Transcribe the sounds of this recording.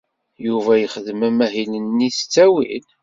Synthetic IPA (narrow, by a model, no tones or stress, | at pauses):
juvæjəχəðəmæmæɦilənːisə̥t͡sːæwḭl